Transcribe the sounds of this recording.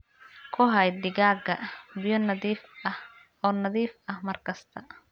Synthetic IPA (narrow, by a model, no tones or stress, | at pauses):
kʰʊɦɐjd̪ɪɣaːɡɐbɪjɔnɐðifɐh | ɔːnɐðiːfɐhmɐrkʰɐst̪ʰɐ